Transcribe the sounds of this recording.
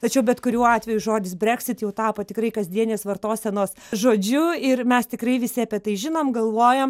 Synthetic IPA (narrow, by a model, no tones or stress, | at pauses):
t̪ɐt͡ʃʲɛʊbʲɛt̪kʊɾʲuːɑːt̪ʲʋʲɛjʊʒoːd̪ʲɪsbʲɾʲɛːkʲsʲɪt̪jɛʊt̪ɑːpoːt̪ʲɪkɾɐɪkɐzʲd̪ʲiɛnʲeːsʋɐrt̪oːsʲɛnoːs | ʒoːd͡ʒʲʊɪrmʲɛst̪ʲɪkɾɐɪʋʲɪsʲɪɐpʲiɛt̪ɐɪʒʲɪnoːmɡɐlˠʋoːjoːm